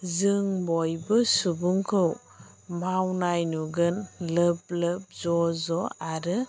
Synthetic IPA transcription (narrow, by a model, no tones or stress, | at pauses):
zɯŋbɔjbɯsubuŋkʰɯw | mawnajnuɡɯnləp̚ləp̚zɔzɔaɾɯ